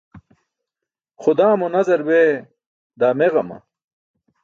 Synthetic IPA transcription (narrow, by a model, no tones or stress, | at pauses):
χʊd̪aːmonɐzɐɾbeː | d̪aːmeʁɐmɐ̰